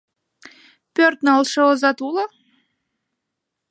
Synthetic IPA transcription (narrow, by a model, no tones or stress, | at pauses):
pʲørt̪nɑlˠʃɤozɑt̪ulˠɑ